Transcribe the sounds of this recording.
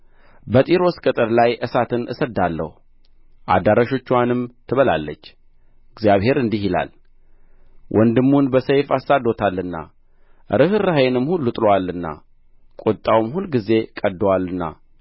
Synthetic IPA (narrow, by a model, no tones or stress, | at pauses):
bət̪ʼiɾo̞skʼɨt̪ʼəɾlajʔɨsat̪ʰɨnʔɨ̰səd̪ːalːə̰hu | ʔa̰d̪aɾaʃo̞t͡ʃːwanɨmt̪ʰɨβəla̰lːə̰t͡ʃː | ɨɡzijaβhe̞ɾɨnd̪iɦila̰l | wʔɔnd̪ɨmːunbəsəjfasːad̪o̞t̪ʰalːɨnːa̰ | ɾɨhɨɾahajɛnɨmhulːut̪ʼlowalːɨnːa̰ | kʼot̪ʼːawmhulɡize̞kʼəd̪ːwalɨnːa̰